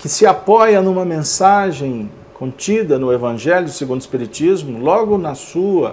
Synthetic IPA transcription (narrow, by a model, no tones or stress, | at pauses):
kɪsɪapɔjɐnũmɐmẽsaʒẽj̃ | kʰõnt͡ʃid̪ɐnʊevɐ̃ʒɛljʊʊseɡũnd̪ʊɪspiɾit͡ʃizmʊlɔɡʊnɐsuɐ